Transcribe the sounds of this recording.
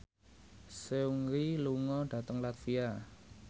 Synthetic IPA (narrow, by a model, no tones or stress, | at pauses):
seuŋɾiluŋɔɖ̥ä̤t̪əŋlat̪fia